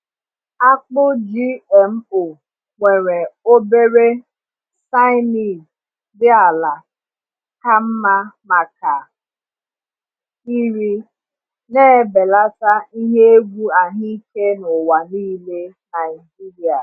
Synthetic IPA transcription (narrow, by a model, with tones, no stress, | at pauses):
a˦k͡pʊ˦d͡ʒi˦ɛ˨m̩˦o˨ | ŋʷe˨ɾe˨o˦be˦ɾe˦ | sa˦ɪ˦ni˦˨ | dɪ˦a˨la˨ | ka˦m̩˦ma˦ma˨ka˨ | i˦ɾi˦ | neː˦be˨la˦ta˦i˦ɦe˦e˦ɡʷu˦a˨ɲi˦ke˦nʊ˨wa˨niː˦le˦na˨ɪ˨d͡ʒi˦ɾi˨a˨